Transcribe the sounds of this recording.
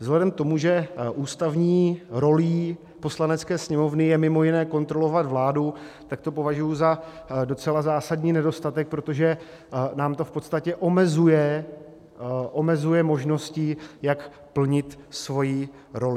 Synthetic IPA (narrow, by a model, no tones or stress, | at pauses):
vzɦlɛdɛmkt̪o̞muʒɛʔuːst̪avɲiːɾo̞liː | po̞slanɛt͡skɛːsɲɛmo̞vnɪjɛmɪmo̞jɪnɛːko̞nt̪ɾo̞lo̞vat̪vlaːdut̪ak̚t̪o̞po̞vaʒujuzado̞t͡sɛlazaːsadɲiːnɛdo̞st̪at̪ɛk̚pɾo̞t̪o̞ʒɛ | naːmt̪o̞fpo̞t̪st̪acɛʔo̞mɛzujɛ | ʔo̞mɛzujɛmo̞ʒno̞scɪjak | pl̩ɲɪt̪svo̞ji | ɾo̞lɪ